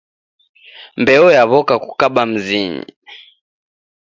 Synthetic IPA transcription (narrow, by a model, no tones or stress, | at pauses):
mbɛɔjaβɔkaku̥kaɓam̩ziɲḭ